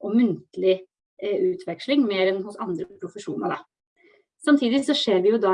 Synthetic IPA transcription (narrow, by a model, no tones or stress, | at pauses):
ʔɔmʉnt̪lɪ | ʉːt̪ʰʋɛkʂlɪŋmeːɾɛnhʊsɑnd̪ɾəpʰɾʊfəʂuːnɑ̰d̪ɑ̰ | sɑmt̪ʰiːd̪ɪsɔʂeːɾʋɪjʊd̪ɑ